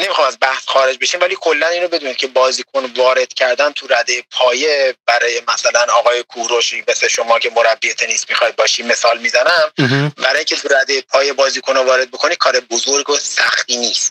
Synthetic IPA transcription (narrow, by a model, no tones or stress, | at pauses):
ne̞mixχɒmæzbæhsχɒːɾe̞d͡ʒbe̞ʃiːmvæliːkʰo̞lːæniːnɾobe̞d̪uːniːd̪̚cʰe̞bɒːziːkʰonvɒːɾe̞d̪̥cʰæɾd̪ænt̪ʰuɾæd̪ejepʰɒːjebæɾɒːjemæsælænɒːɣɒːjekʰuɾoʃimesleʃo̞mɒːcʰe̞moɾæbːiːet̪ʰe̞niːsmixɒjd̪̚bɒːʃiːme̞sɒːlmiːzænæmbæɾɒːjiŋkcʰet̪ʰuɾæd̪ejepʰɒːje̞bɒːziːkʰonovɒːɾe̞d̪̚bo̞kʰo̞niːd̥̪̚kʰɒːɾebozoɾɡosæxt̪iːniːst̪